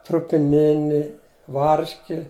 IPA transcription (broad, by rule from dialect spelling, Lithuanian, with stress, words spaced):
trʊpʲɪˈnʲɪnʲɪ ˈʋɐrʲʃʲkʲɪ